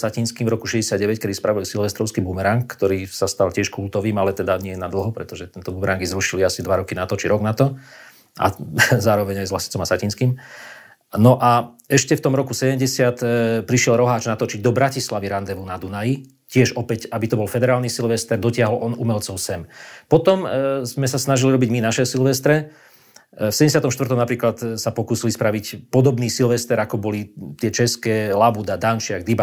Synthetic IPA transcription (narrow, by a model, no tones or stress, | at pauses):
sacinskiːmvɾɔkuʃɛɟɛsɪad̪ɟɛʋɛckɛd̪ispɾaʋɔɛlsilʋɛst̪ɾɔʊskibumɛɾaŋkkːt̪ɔɾiːsast̪alcɪɛʃkult̪ɔʋiːmalɛt̪ɛd̪aɲɪɛnad̪l̩ˠɦɔpɾɛt̪ɔʒɛt̪ɛnt̪ɔbumɛɾaŋɡizɾuʃiliasid̪ʋaɾɔkinat̪ɔt͡ʃiɾɔɡnat̪ɔ | ʔa̰zaːɾɔʋɛɲajzʋlasi̥t͡sɔmasacinskiːm | nɔʔa | ɛʃcɛft̪ɔmɾɔkusɛɟɛmɟɛsɪat̪pɾiʃɪɛlɾɔɦaːt͡ʃnat̪ɔt͡ʃiɟ̚d̪ɔbɾacislaʋiɾand̪ɛʋunad̪unaji | cɪɛʒɔpɛcabit̪ɔbɔlfɛd̪ɛɾaːlnisilʋɛst̪ɛɾd̪ɔcɪaɦɔlʔɔnumɛlt͡sɔʊsɛmpɔt̪ɔmzmɛsasnaʒiliɾɔbiɟminaʃɛsilʋɛst̪ɾɛ | fsɛɟɛɲɟɛsjat̪ɔmʃt̪ʋər̩t̪ɔmnapɾiːklat̪sapɔkuːsilispɾaʋicpɔd̪ɔbniːsilʋɛst̪ɛɾakɔbɔlit̪ɪɛt͡ʃɛskɛːlabud̪ad̪ant͡ʃɪaɡ̚d̪iba